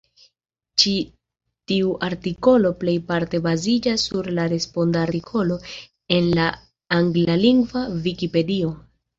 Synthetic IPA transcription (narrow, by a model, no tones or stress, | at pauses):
t͡ʃi | tiuʔaɾtiko̞lo̞ple̞jpaɾte̞bazid͡ʒasːuɾlaɾe̞spo̞ndaɾtikʰo̞lo̞ | e̞nlaː | ŋɡlaliŋɡvavikipe̞dio̞